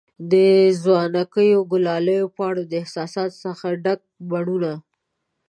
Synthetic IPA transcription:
d̪əzwɑnakəjoɡʊlɑləjopəaɽad̪əɪhsɑsɑt̪səxaɖak̚baɳuna

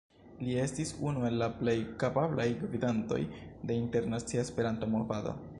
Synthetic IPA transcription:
lie̞stisunue̞lːaple̞jkapablajɡvidanto̞̰jde̞inte̞ɾnat͡siaespe̞ɾanto̞movado̞̰

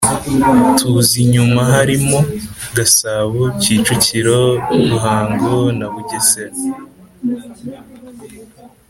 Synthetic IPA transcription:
tʰuziɲumaɦaɾimo̞ɡasaβociːt͡ʃuciɾo̞ɡuɦaːŋɡonaβuɟeseɾ

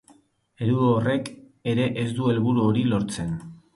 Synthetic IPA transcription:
e̞ɾuoore̞k | e̞ɾe̞ʔezd̪ue̞lβuɾuo̞ɾilo̞ɾt͡se̞n

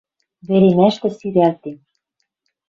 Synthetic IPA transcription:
βeɾemæʃt̪ɘ̆syɾælt̪em

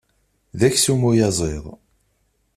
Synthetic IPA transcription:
ðæçsumujɑzˤeðˤ

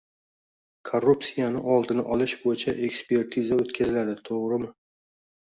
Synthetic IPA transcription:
kʰorːupsijanɪʔɒlˠd̪ɪnɪʔɒlˠɪʃbojɪt͡ʃʰaʔe̞kspʰe̞ɾt̪ʰizaot̪kʲʰazɪlad̪ɪt̪ʰoʁɾɪmɪ

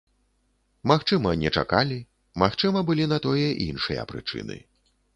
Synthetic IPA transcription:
maxt͡ʂɨmɐnʲɛt͡ʂa̰kalʲi | maxt͡ʂɨmɐbɨlʲinɐt̪ɔjɛʔinʂɨjɐ̰pɾɨ̰t͡ʂɨ̰nɨ̰

